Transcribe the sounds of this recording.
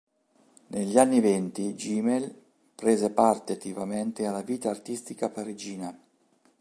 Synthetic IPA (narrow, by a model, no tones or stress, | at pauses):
nʔeʎːanːivɛnt̪id͡ʒimel | pɾeːzepart̪eat̪ːivament̪ealːaviːt̪aːrt̪ist̪ikapaɾid͡ʒiːna